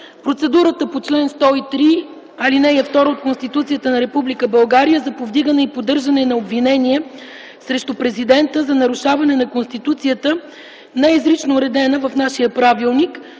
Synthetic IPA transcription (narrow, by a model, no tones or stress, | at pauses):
pɾot̪sɛd̪uɾət̪əpot͡ʃlɛnst̪ɔit̪ɾi | ɐlinɛɛft̪ɔɾəot̪̚konst̪it̪ut̪siət̪ənɐɾɛpublikəbɐlˠɡaɾijəzɐpovd̪iɡənɛipod̪ɤɾʒɐnɛnɐobvinɛniɛ | sɾɛʃt̪upɾɛzid̪ɛnt̪əzɐnɐɾuʃavɐnɛnɐkonst̪it̪ut̪sijət̪ə | nɛɛizɾit͡ʃnʊɾɛd̪ɛnəvɐfnaʃijəpɾavilˠnik